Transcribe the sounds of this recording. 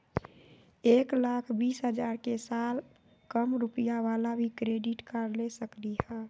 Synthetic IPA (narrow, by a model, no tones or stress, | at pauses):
eːklakʰbiːsɦəd͡ʒaɾkesal | kəmɾupijaʋalabʱikɾeɖiʈkəɾlesəklihɛ̃ː